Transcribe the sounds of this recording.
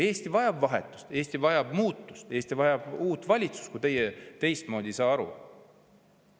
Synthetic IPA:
e̞ːst̪ivɑjɑbvɑɦet̪ˑːu̥st̪e̞ːsʲt̪ivɑjɑb̥muːt̪ːˑust̪e̞ːst̪ivɑjɑb̥uːt̪ːvɑlʲit̪su̥st̪kut̪e̞jet̪e̞jst̪mo̞ːd̪ʲisɑːɑɾṵ

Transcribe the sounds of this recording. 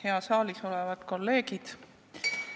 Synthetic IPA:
heɑsɑːliso̞levɑd̪̥ko̞lːe̞ːɡid̪̥

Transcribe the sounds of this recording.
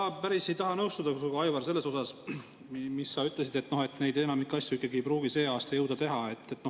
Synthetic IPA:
ɑpæɾise̞jt̪ɑɦɑnɤwst̪ud̪̥ɑsuɡuɑjvɑrs̬e̞lːe̞so̞sɑs | misːɑyt̪ˑle̞sid̪e̞t̪ːno̞he̞t̪ne̞jd̪e̞nɑmikːɑsʲjuikˑːɑɡiejpɾuːɡ̥ise̞ːɑːst̪ɑjɤwd̪̥ɑt̪e̞ɦɑe̞t̪ːet̪ːno

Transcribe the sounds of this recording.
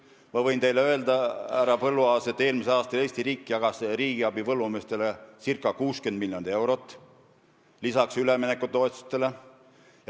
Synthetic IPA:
mɑvɤjnt̪e̞jleø̞eld̪ɑæɾɑpɤlːuɑːse̞t̪ːˑe̞ːlmiselɑːst̪ɑle̞ːst̪iɾiːkːijɑɡ̥ɑseɾiːɡ̥iɑbivɤlːumest̪e̞lesirkːˑɑkuːskend̪̚miljond̪ie̞wɾot̪ːˑ | lisɑksylemenekːˑut̪ːo̞et̪su̥st̪ːe̞le̞ | j

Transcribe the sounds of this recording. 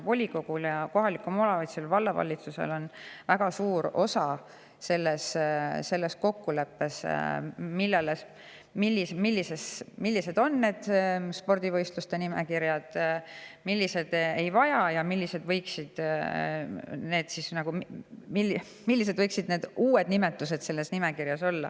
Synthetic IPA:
vo̞lʲiko̞ɡ̥uljɑko̞ɦɑlikːˑumolɑvit̪selvɑlːɑvɑ̰lːit̪susḛlo̞nvæɡ̥ɑsuːɾo̞sɑ | se̞lːesse̞lːe̞sko̞kːule̞pːe̞s | milːeles | milːismilʲːise̞smilʲːise̞d̪̥o̞nːe̞ːd̪̥spo̞rd̪̥ʲivɤjst̪lust̪e̞nimḛkiɾjɑd̪̥milʲːise̞d̪̥ejvɑjɑjɑmilʲːise̞d̪vɤjksid̪̥ | ne̞ːd̪̥sisnɑɡ̥ummi | milːis̬e̥vɤjksid̪ne̞ːd̪̥uːe̞d̪̚nime̞t̪ːˑuse̞d̪̥se̞lːe̞snime̞kiɾjɑso̞lːɑ̰

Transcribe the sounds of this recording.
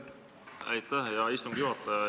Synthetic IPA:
æjt̪ːæhjɑist̪umɡ̥juɑt̪ːˑɑ

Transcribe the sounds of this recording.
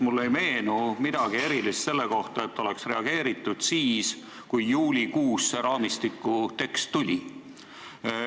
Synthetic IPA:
mulːe̞jme̞ːnumid̪̥ɑɡ̥ie̞ɾilist̪se̞lːe̞ko̞ht̪ɑet̪ːo̞le̞ksre̞ɑɡ̥e̞ːɾit̪ːˑud̪̥siːs | kujːuːlʲikuːsːeɾɑːmist̪ikːˑut̪e̞kst̪ːulʲi

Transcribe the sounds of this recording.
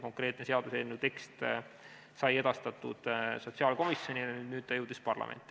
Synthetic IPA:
ko̞ŋkre̞ːt̪ˑnse̞ɑd̪̥usenːuwt̪e̞kst̪ | sɑje̞d̪̥ɑst̪ɑt̪ˑːud̪̥so̞t̪ʲsiɑːlko̞misjo̞nʲiɑnyːd̪nyːd̪̥̚t̪ɑjewd̪̥ispɑrlɑ̰mʔḛnʲt̪ːˑi

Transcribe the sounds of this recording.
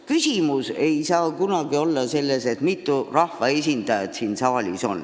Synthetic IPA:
kysʲimuse̞jsɑːkunɑɡ̥io̞lːɑse̞lːese̞t̪mit̪ːˑurɑhvɑesʲind̪̥ɑjɑd̪̥siːnsɑːlʲiso̞̰n

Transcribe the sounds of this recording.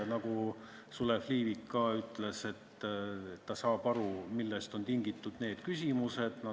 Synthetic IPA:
nɑɡu | sulefliːvikːɑːyt̪ˑle̞se̞t̪ː | ɑsɑːb̥ɑɾumilːest̪o̞nt̪iŋɡ̥it̪ːˑud̪̥ne̞ːd̪̥kysʲimuse̞d̪̥nɑ

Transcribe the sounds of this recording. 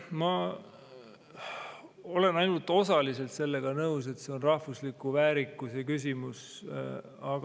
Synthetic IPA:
mɑ | o̞le̞nɑjnult̪ːˑo̞sɑlise̞lt̪se̞lːe̞ɡ̥ɑnɤus̬e̞t̪se̞o̞nrɑhvuslikuvæːɾikːˑusekys̬ʲimus | ɑɡ

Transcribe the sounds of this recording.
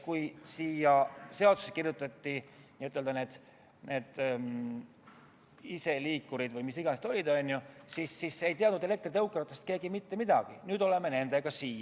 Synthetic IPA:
kujsiːjɑse̞ɑod̪̥usekirjut̪ːˑɑt̪ʲːiiyt̪ːˑeld̪ɑne̞ːd̪̥ | nʔe̞ːd̪̥ | ise̞liːkːˑuɾid̪̥vɯjmisiɡɑnesed̪o̞lʲid̪̥onʲjusisːise̞jt̪iɑd̪ud̪ele̞k̚t̪rit̪ɤwkːˑɑɾt̪ːˑest̪̚ke̞ːɡimit̪ːe̞mid̪̥ɑɡ̥inyːd̪̥o̞le̞mene̞nd̪e̞ɡ̥ɑsiːjɑ

